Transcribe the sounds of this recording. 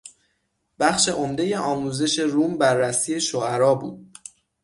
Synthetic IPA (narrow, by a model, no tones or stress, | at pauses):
b̥æxʃe̞ʔomd̪e̞je̞ʔɒːmuːze̞ʃe̞ɾuːmbærːæsiːe̞ʃoæɾɒːbṵːd̪̥̚